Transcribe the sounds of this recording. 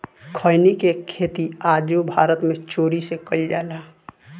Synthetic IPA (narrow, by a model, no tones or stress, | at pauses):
kʰəɪnikekʰeːt̪iad͡ʒobʱaːɾət̪mẽt͡ʃoːɾisekəid͡ʒa̰ːlaː